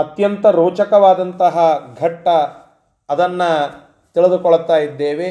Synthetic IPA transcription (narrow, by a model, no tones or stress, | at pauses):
ɐt̪jɐnt̪ɐɾoːt͡ʃɐkɐʋaːd̪ɐnt̪ɐɦɐɡʱɐʈːɐː | d̪ɐnːɐ | t̪iɭid̪ukɔɭt̪ːaːjid̪ːeːʋe